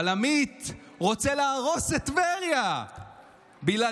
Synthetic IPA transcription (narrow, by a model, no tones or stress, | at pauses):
lamit̪ʁo̞t͡selaːʁo̞set̪veʁja | bila